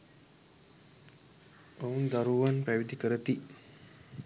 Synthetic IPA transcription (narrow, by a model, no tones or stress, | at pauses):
ound̪aɾuʋanpæʋid̪ikəɾət̪i